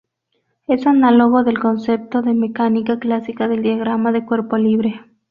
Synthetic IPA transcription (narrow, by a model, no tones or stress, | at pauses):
esanaloɣoðe̞lko̞nse̞p̚t̪oðemekanikaklasikaðeld̪jaɣɾamaðekwe̞ɾpoliβɾe